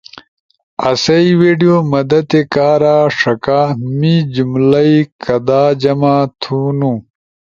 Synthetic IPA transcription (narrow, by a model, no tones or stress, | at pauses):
ɐ̰sɐiweːɖijomɐd̪ɐt̪ekaːɾaːʂɐkaːmid͡ʑumlɐikɐd̪aːd͡ʑɐmaːt̪ʰuːnũ